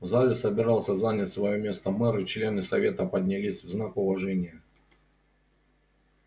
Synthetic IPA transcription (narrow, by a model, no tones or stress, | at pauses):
vzalʲɪsəbʲɪɾɑlˠsʲəzanʲɪt̪ʲsvɐjomʲe̞st̪əmɛɾɨt͡ɕlʲe̞nɨsɐvʲe̞t̪əpədʲnʲɪlʲisʲvznakʊvɐʐɛnʲɪjə